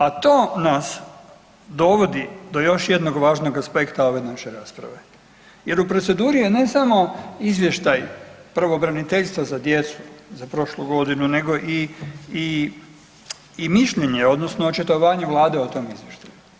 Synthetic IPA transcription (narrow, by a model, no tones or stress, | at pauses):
at̪o̞ːnas | d̪o̞ʋo̞d̪id̪o̞jo̞ʃje̞d̪no̞ɡʋaːʒno̞ɡaspe̞kt̪ao̞ʋe̞naʃe̞ɾaːspɾa̰ʋe̞ | je̞ɾupɾo̞t̪se̞d̪uːɾijene̞samo̞izʋje̞ʃt̪ajpr̩ʋobɾanit̪eʎst̪ʋazad̪je̞t̪su̥zapɾo̞ʃluɡo̞d̪inune̞ɡo̞ʔiː | miʃʎe̞ɲe̞o̞d̪nosnoot͡ʃet̪oʋaːɲeʋlˠaːd̪e̞ot̪o̞mizjeʃt̪aju